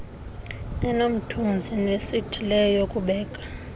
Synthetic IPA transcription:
ɛnom̩tʰund͡zʱinwesitʰilɛjokʼuɓɛːkʼḁ

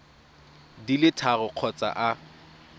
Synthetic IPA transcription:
dilɪtʰaɣɔq͡χʰɔt͡sʼa̰ʔa

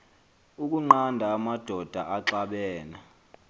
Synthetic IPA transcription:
uk̬ʼuŋ͡ǃandʱaːmad̥ʱɔd̥ʱaʔaǁaɓɛːna

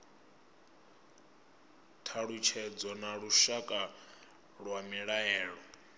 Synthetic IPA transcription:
tʰaɺut͡ʃʰɛd͡zɔnaɺuʃakʼa | ɺwamiɺaɛːɺɔ

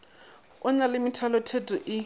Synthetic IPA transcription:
ʊnalɪmitʰalɔtʰedʱʼiʔɪ

